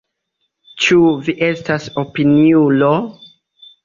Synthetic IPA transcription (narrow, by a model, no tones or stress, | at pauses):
t͡ʃuviʔe̞stasopiniulo